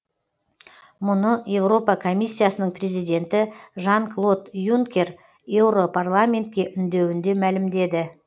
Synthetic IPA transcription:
mʊnəje̞wro̞pɑkʰo̞mʲijsʲːijasənəɴprʲe̞zijd̪ʲe̞nt̪ɪʒɑŋklˠo̞t̪juŋkʲe̞r | je̞wɾo̞pʰarlˠamʲe̞nt̪kʲe̞ʔʏnd̪e̞wɪnd̪e̞mælɪmd̪e̞d̪ɪ

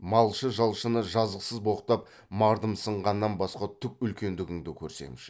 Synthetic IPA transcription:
mɑlˠʃəʒɑlˠʃənəʒɑzəqsəzbo̞qt̪ɑp̚ | mɑɾd̪əmsəɴʁɑnːɑnbɑsqɑt̪ʰʏk̚ʲʏlkʲe̞nd̪ɪɡʲɪŋd̪ɪkʲʰɵɾse̞̰mɪʃ

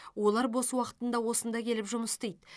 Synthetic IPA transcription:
wo̞lˠɑɾbo̞swɑqə̥t̪ənd̪ɑwo̞sənd̪ɑkʲʰe̞lɪpʒʊməst̪ejd̪

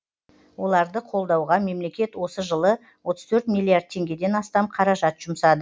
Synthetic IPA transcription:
wo̞lˠɑɾd̪əqʰo̞lˠd̪ɑwʁɑme̞mle̞kʲe̞t̪wo̞səʒəlˠə | wo̞t̪ə̥z̥t̪ʰɵɾt̪mʲilːˠiaɾd̪̚t̪ʰːe̞ŋɡʲe̞d̪e̞nɑst̪ɑmqʰɑɾɑʒɑt̪ʒ̥ʊmsɑd̪ə

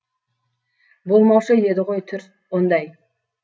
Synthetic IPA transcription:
bo̞lˠmɑwʃəjed̪ɪʁo̞jt̪ʰʏɾ | ond̪ɑj

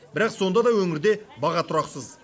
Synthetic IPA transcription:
bɪɾɑqso̞nd̪ɑd̪ɑwɵŋɪɾd̪e̞bɑʁɑt̪ʰʊɾɑqsəz

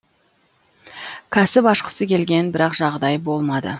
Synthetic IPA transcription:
kʲʰæsɪpɑʃqə̥səkʲe̞lɡʲe̞nbɪɾɑqʒɑʁd̪ɑjbo̞lˠmɑd̪ə̰

